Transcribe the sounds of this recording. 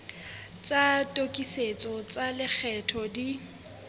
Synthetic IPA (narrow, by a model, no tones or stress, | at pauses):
t͡sʼatʼokʼiset͡sʼɔt͡sʼalɪk͡xʰɛtʰɔdi